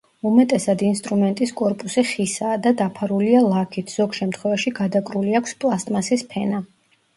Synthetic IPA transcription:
umɛt̪ʼɛsad̪inst̪ʼɾumɛnt̪ʼiskʼɔɾpʼusiχisaːd̪ad̪apʰaɾulialˠakʰit̪ʰz̥ɔɡʃɛmt̪ʰχwɛvaʃiɡad̪akʼɾuliakʰspʼlˠast̪ʼmasispʰɛna

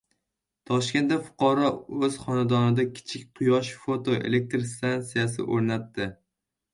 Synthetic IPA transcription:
t̪ʰɒʃkʲe̞nt̪d̪afʊ̥qʰɒɾɒɵz̥χɒnad̪ɒnɪd̪akʲʰɪ̥t͡ʃʰɪkʲqʰʊjɒʃfot̪ʰoe̞̰le̞k̚t̪ɾst̪ant̪sijas̬ɪ̰ʔoɾnat̪ːɪ

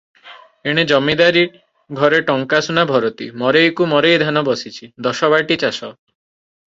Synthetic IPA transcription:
eɽ̃ed͡ʒɔmid̪aɾi | ɡʱɔɾeʈɔŋkasunabʱɔɾot̪ḭmɔɾejkumɔɾejd̪ʱanɔbɔsit͡ʃʰid̪ɔʃɔβaʈit͡ʃasɔ

